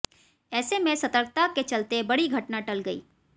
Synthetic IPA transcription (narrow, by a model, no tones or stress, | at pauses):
ɛːsemẽsɐt̪əɾk̚t̪aket͡ʃɐlt̪ebɐɽiɡʱɐʈnaʈɐlɡɐḭː